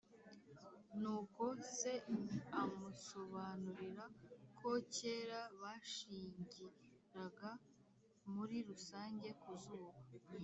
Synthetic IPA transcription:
nuːko̞se̞amuso̞βanuɾiɾakʰo̞ce̞ːɾaβaʃiːɲɟi | ɾaɡa | muɾiɾusaːɲɟe̞kuzuːβa

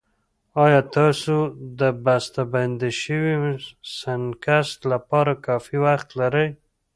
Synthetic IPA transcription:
ɑjɑt̪ɑsod̪əbast̪aband̪iʃəwisankast̪lapɑɾakɑfiwaxt̪laɾəj

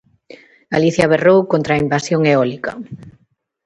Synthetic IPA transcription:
aliθjaβerowkont̪ɾaimbasjoŋeɔlikɐ

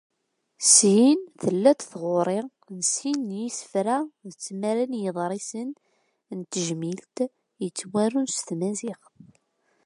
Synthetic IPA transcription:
sjinθəlːæt̪θʁoɾˤɪʁ | nsinːjisə̥fɾæðət͡sːmæɾænjəðˤɾˤisən | nt̪əʒmilt̪ | jət͡sːwæɾunst̪mæziχ

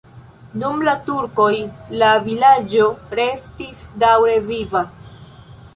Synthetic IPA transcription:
numlatuɾko̞jlavilad͡ʒo̞ɾe̞stisdawɾe̞viva

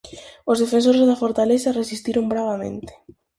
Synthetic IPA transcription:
ozðefẽns̬oɾezðafoɾt̪alesaresist̪iɾombɾaβ̞amḛ̃nt̪e̥

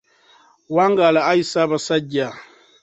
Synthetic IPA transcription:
waːŋɡalaːjisaβasaɟa

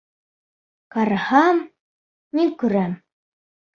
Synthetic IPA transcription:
kɑɾhɑmː | iŋkʉ̆ɾæm

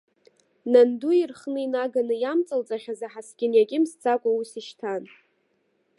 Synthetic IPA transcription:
nanduirχnɨinaɡanɨjamt͡sʼalt͡sʼaχʲazaħasɡʲʼɪnjaɡʲʼɪmst͡sʰʼakʷʼausiʃtʰan

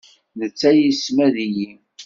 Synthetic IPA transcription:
nət͡sːæjismæðijim

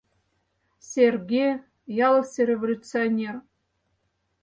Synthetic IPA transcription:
sʲerɡʲej | jɑlˠsʲerʲevolʲutt͡sɨonʲer

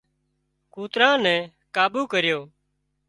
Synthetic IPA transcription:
kuːt̪ɾãːnɛ̃ː | kaːbuːkəɾjoː

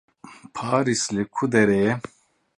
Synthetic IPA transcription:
pʰaːɾislekʰud̪ɛɾɛjɛ

